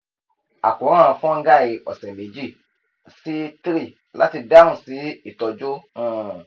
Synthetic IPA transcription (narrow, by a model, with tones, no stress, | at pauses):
a̰˨kũ˨˦ã˦ã˧fɔ̃˦ŋ̩˦ɡa˦˨i˧ɔ̰˨sɛ̃˨me˨˦d͡ʒi˦˨ | si˦tɾi˦˨ | la̰˦ti˧da˦ũ˦˨si˨˦i˦˨tɔ˧d͡ʒõ˦˨